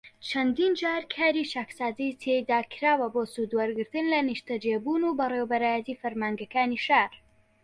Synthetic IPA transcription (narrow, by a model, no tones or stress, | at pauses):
t͡ʃʰɐnd̪iːnd͡ʒaːɾkʰaːɾit͡ʃaːksaːzɐjt̪ʰejd̪aːkʰɾaːwɐboːsuːd̪wɐɾɡɨɾt̪ɨnlɐniʃt̪ɐd͡ʒebunuːbɐrewbɐɾaːjɐt̪iːfɐɾmaːŋɡɐkaːniʃaːɾ